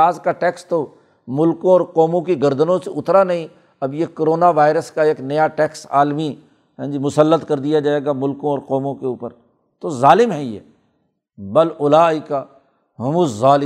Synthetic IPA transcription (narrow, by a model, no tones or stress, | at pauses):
aːzkaʈɛːkst̪o | mʊlkõɔːɾqɔːmõkiɡɐɾd̪ənõseʊt̪ɾanɐɦĩ | ɐbjekoɾoːnaʋaːɪɾəskaeːknɐjaʈɛːksa̰ːlmi | ɦɛ̃ːd͡ʒimʊsəlːət̪kɐɾd̪ijad͡ʒaːeːɡamʊlkõɔːɾqɔːmõkeuːpəɾ | t̪ozaːlɪmɦɛjḛː | bɐlʊlaːika | ɦʊmʊ̃zaːlɪ